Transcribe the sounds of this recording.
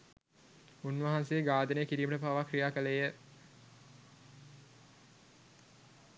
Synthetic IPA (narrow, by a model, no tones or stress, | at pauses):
unʋaɦansejəɡaːd̪ənejəkiɾiːməʈəpaʋakrijaːkəlejə